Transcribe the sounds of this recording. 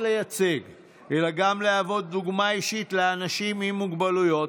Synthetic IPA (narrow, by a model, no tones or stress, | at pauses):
lejat͡siɡ | ʔelaɡamleavo̞d̪ːuɡmaiʃit̪leanaʃimimuɡbalujo̞t